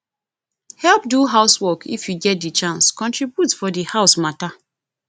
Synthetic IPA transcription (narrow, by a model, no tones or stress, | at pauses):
hɛlp̚duɦaʊswɔkʰḭfjuɡɛt̚dit͡ʃãnskɔ̃ntɹibjutfɔdihaʊsmata